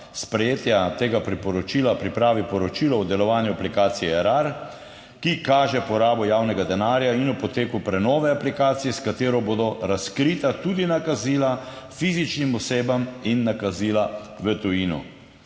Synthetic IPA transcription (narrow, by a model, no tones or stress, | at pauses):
spɾɛjeːt̪jat̪eːɡapɾipɔɾɔt͡ʃiːlapɾipɾaːʋipɔɾɔt͡ʃiːlɔɔd̪ɛlɔʋaːnjuaplikaːt̪sijɛɛɾaɾ | kikaːʒɛpɔɾaːbɔjaːwnɛɡad̪ɛnaːɾjainupɔt̪eːkupɾɛnɔːʋɛaplikaːt̪sijɛskat̪eːɾɔboːd̪ɔɾaskɾit̪at̪ud̪inakaziːla | fiːzit͡ʃnimɔseːbaminːakaziːlaʋət̪ujiːnṵ